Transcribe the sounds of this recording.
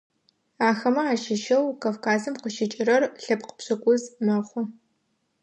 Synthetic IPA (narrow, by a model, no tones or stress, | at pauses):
aːxɐmɐaːʃɪʃɐwkʰaːfkʰaːzɨmqəʃɪt͡ʃʼɪɾɐrɬɐpqə̥pɕɐkʷʼʊzmaːχʷɔ